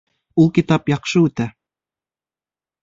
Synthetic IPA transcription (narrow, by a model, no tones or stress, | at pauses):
ulˠkit̪ɑpjɑqʃɤʉt̪æ